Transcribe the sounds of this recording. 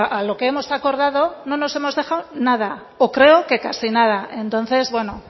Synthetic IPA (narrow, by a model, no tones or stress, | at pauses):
alo̞keemo̞sako̞ɾð̞að̞o̞nõ̞no̞se̞mo̞zðe̞xawnað̞a | okɾe̞oke̞kasinað̞ae̞nt̪õ̞nθe̞zβwe̞no̞